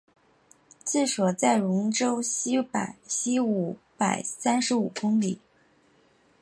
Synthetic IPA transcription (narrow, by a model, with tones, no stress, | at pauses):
t͡sɹ̩˥˩ʂwɔ˨˩t͡sa˥˩ɪɻʊ˧˥ŋʈ͡ʂo˥ʊɕi˥pa̰˨˩ɪɕi˥u˧˩pa˨˩ɪsa˥nʂɻ̩˧˥u˨˩kʊ˥ŋli˨˩˦